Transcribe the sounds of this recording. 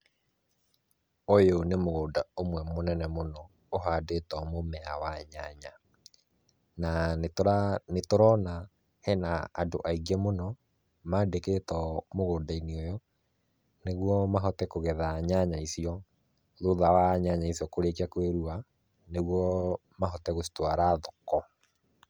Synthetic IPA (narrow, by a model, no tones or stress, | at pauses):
ojonemoɣoːdaomwɛmonɛnɛmonɔ | oɦadetɔmomɛawaɲaɲa | naneanetoɾɔna | hɛnaːdo̰ʔaiɡɛmonɔ | maːdeketɔmoɣoːdainiojɔ | neɣwɔmaɦɔtɛkoɣɛðaɲaɲaisiɔ | ðoðawaɲaɲaisiɔkoɾekiakweɾua | neɣwɔ | maɦɔtɛɣosi̥twaɾaðɔkɔ